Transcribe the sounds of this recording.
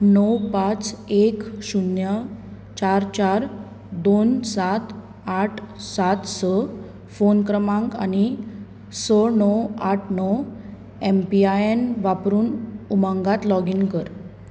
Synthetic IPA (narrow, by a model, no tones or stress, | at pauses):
nɔwpãt͡sekɕunjə | t͡ɕaɾt͡ɕaɾ | d̪onsat̪ | aʈʰsat̪sə | fonkɾəmãŋka̰ni | sənɔwaʈʰnɔw | empiajenʋapɾuːnumãŋɡat̪lɔɡinkəɾ